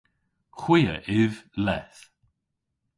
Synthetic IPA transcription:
xwiːə̰ʔɪvlɛθ

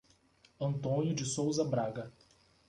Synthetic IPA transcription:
ɐ̃nt̪õnjʊd͡ʒɪsowzɐbɾaɡɐ

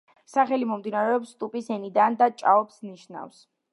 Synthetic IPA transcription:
saχɛlimɔmd̪inaɾɛɔpst̪ʼupʼisɛnid̪and̪at͡ʃʼa̰ɔpsniʃna̰fs

